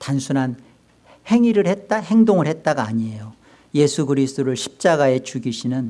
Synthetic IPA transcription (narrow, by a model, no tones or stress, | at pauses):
tansʰunɦan | he̞ŋiɾɯɭhet̚t͈ahe̞ŋdoŋɯɭhe̞t̚t͈aɡaːɲie̞jo | je̞sʰuɡɯɾisʰɯ̥t͈oɾɯɭɕʰi̥p̚t͡ɕ͈aɡae̞t͡ɕuɡiɕʰinɯn